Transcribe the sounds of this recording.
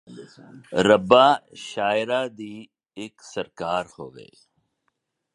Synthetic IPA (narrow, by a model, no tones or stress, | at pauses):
ɾəbaʃaːɪɾaːd̪iː | eksɐɾkaːɾho̰ːɡə̰ḭ